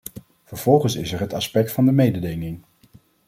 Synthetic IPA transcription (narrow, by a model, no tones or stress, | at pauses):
v̥əɹv̥ɔlˠχənsɪsɛɹɦətɑspɛk̚tfɑndəmejdədɪŋɪŋ